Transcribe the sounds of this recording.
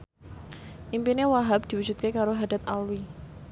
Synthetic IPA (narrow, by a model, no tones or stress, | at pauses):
ʔimpinewaɦab̚d̪̥i̤wud͡ʒut̪̚kekaɾoɦad̥at̪alwi